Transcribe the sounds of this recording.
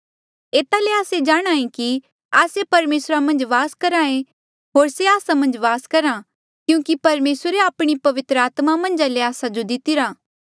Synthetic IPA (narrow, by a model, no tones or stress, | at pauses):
eːt̪aleaːsed͡ʒaːɽ̃ãːẽki | aːsepɐɾmeːsɾamɐ̃nd͡ʒʋaːskɐɾãːẽ | ɦoːɾseaːsamɐ̃nd͡ʒʋaːskɐɾa | kjũːkipɐɾmeːsəɾeaːpɽ̃ipɐʋɪt̪ɾəaːt̪mamɐ̃nd͡ʒaleaːsad͡ʒod̪ɪt̪ɪɾaː